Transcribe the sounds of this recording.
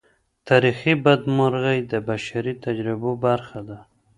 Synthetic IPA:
t̪ʰaːɾixibad̪mʊɾɣajd̪əbaʃaɾit̪ad͡ʒɾɪbobaɾxad̪a

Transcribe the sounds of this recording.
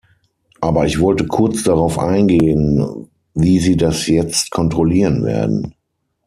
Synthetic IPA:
ʔaːbɐɪçv̥ɔltəkʰʊɐt͡sd̥aʁaʊfʔa̰ɪnɡeːən | viːziːdasjɛt͡stkʰɔntʁ̥ɔliːʁənvḛːɐdn̩

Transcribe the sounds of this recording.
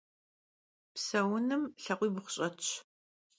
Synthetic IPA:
psɐwʊnɨmɬɐqʷiːbʊχʷʊɕʼɐt͡ʃ

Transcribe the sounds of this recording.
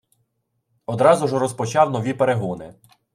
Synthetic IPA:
ɔd̪ɾɑzʊʒɔɾɔspɔt͡ʃɑwnɔʋʲipeɾeɦunɪ̰

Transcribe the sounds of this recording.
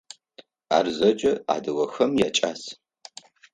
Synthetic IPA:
a̰ːrzɐd͡ʒʼɐa̰ːdɨwɐxɐmjaːt͡ʃʼaːs

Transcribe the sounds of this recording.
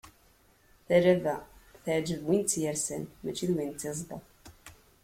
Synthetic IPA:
θæɾævæθaʕd͡ʒəvwint͡sːjəɾsənmæt͡ʃːiðwintt͡s̪ːezˤd̪ə̰ðˤ

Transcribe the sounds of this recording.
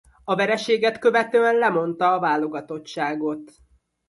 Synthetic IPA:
ɒvɛɾɛʃeːɡɛt̪kø̞vɛt̪øːɛnlɛmo̞n̪t̪ɒːvaːlo̞ɡɒt̪o̞t͡ʃːaːɡo̞t̪

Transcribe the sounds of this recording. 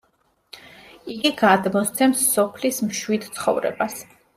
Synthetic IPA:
iɡiɡad̪mɔst̪sʰɛmsːɔpʰlismʃwid̪t̪sʰχɔ̰vɾɛ̰bas

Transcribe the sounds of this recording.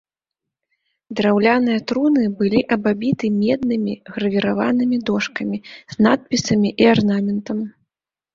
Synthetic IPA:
d̪ɾawlʲanɨjɐt̪ɾunɨbɨlʲiʔɐbabʲit̪ɨmʲɛd̪̚nɨmʲiɣɾɐvʲiɾava̰nɨmʲid̪ɔʂkɐmʲiz̥nat̪̚pʲisɐmʲiʔiarnamʲɛnt̪ɐm

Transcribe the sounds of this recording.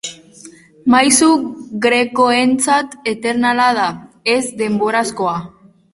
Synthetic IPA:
majsuɣɾe̞ko̞ent͡sat̪e̞t̪e̞ɾnalaðae̞zd̪e̞mbo̞ɾasko̞a

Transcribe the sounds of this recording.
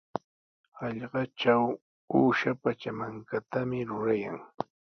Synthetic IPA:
ɑʎɢɑt͡ʃaw | uːʃapat͡ʃamaŋkat̪amɪɾʊɾaja̰ŋ

